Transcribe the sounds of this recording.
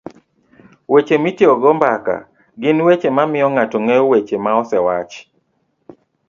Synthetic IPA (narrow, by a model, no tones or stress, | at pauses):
wet͡ʃemitɔɡɔmbaka̰ | ɡɪnwet͡ʃemamɪɔŋatɔŋeowet͡ʃemaɔsɛwat͡ʃ